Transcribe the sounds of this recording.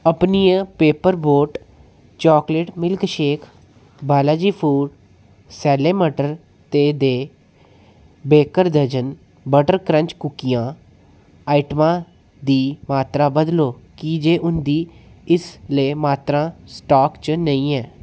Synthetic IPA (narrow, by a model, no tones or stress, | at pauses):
əpniːãːpeːpəɾboːʈ | t͡ʃɔːkleːʈmɪlkʃeːkʰ | baːlaːd͡ʒiːpʰuːɖ | sɛːleːməʈəɾ | t̪eːd̪eː | beːkəɾd̪əd͡ʒən | bəʈəɾkɾə̃ɲt͡ʃkʊkːijãː | aːiʈmãː | d̪iːmaːt̪ɾaːbəd̪loːkid͡ʒeːʔʊnd̪iː | ɪsləːmaːt̪ɾãːsʈaːkt͡ʃnəĩːɛː